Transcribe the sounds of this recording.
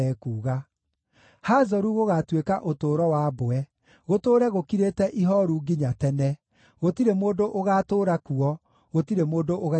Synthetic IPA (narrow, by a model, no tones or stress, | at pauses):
ɛkuːɣa | haːzɔɾuɣoɣatwekaʔotoːɾɔwaːboɛ | ɣotoːɾɛɣokiɾeːtɛʔiɦɔɾuɡiɲatɛnɛ | ɣotiɾemoːdoʔoɣaːtoːɾakuɔ | ɣotiɾemoːdoʔoɣa